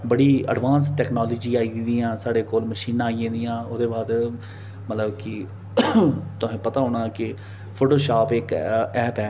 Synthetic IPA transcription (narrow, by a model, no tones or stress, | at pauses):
bəɽiːə̰ɖʋaːnsʈɛːknaːlːd͡ʒiːaːiːdd̪iːãːsaːɽeːkoːlməʃiːnãːijẽːd̪ijãːʊd̪eːbaːd̪ | mət̪ləbkɪ | t̪ʊɦẽːpət̪aːɦʊːɽ̃ãːkɪ | pʰoːʈoːʃaːpɪkɛːpɛː